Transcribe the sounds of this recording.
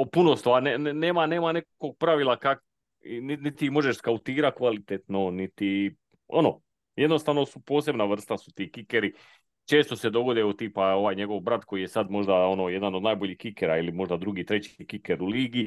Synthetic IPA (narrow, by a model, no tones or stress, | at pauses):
opunost̪oʋanenne̞ːmane̞ːmanekkoɡ̚pɾaʋilˠakak | ininit̪imo̞ʒeʃskaut̪iːɾat̪̚kʋalit̪et̪no̞nit̪i | o̰no̞ | jed̪no̞st̪aʋno̞supo̞ːs̬ebnaʋr̩st̪asu̥t̪iːkikeɾi | t͡ʃe̞ːst̪ose̞d̪o̞ɡo̞d̪iot̪ipao̞ʋaːjɲe̞ɡo̞ʋbɾat̪ko̞ijesad̪mo̞ʒd̪ao̞no̞je̞d̪anod̪najbo̞ʎiːhkikeɾailimo̞ʒd̪ad̪ɾuɡiːt̪ɾe̞t͡ɕikikeɾuliːɡi